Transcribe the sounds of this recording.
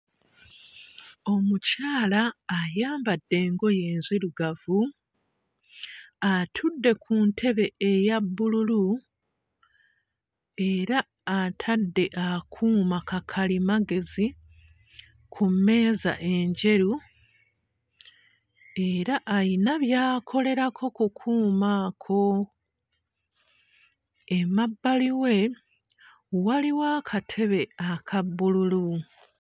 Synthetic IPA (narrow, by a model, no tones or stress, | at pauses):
o̞mucaːlaːjaːmbadːe̞ːŋɡo̞je̞ːnziɾuɡavu | atʰudːe̞kʰuːntʰe̞βe̞ejabːululu | e̞ɾaː | tʰadːe̞ʔakʰuːmakakʰalimaɡe̞zi | kʰumːe̞ːza̰ʔe̞ɲɟe̞ɾu | e̞ɾaʔːjinaβjaːkʰo̞le̞ɾakʰo̞kukʰuːmakʰo̞ | emabːaliwe̞ | waliwaːkʰatʰe̞βe̞akʰabːululu